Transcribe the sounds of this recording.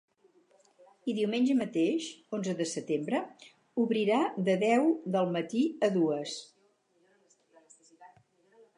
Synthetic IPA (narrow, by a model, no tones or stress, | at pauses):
iðiwmenʲd͡ʒəmət̪eʃonzəðəsət̪embɾə | uβɾiɾad̪əðɛwðəlˠmət̪iəðuəs